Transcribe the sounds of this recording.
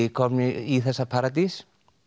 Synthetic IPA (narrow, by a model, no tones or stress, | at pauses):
ikʰɔniiːθasapʰaɾad̪is